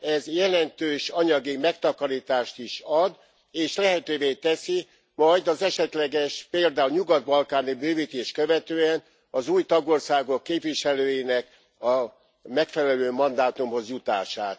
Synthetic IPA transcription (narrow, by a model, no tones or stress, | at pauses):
ɛzjɛlɛnt̪øːʃɒɲɒɡimɛkt̪ɒkɒɾiːt̪aːʃt̪iʃɒd̪ | eːʃlɛɦɛt̪øːveːt̪ɛsi | mɒjd̪ɒzɛʃɛt̪lɛɡɛʃpeːld̪aːulɲuɡɒd̪̚bɒlkaːnibøːviːt̪eːʃkøvɛt̪øːɛn | ɒzuːjt̪ɒɡo̞rsaːɡo̞kːeːpʋiʃɛløːjinɛk | ɒ | mɛkfɛlɛløːmɒnd̪aːt̪umho̞zjut̪a̰ːʃaːt̪